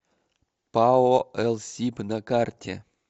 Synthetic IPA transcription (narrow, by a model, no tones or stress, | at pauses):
paoɛlˠsʲipnakartʲḛ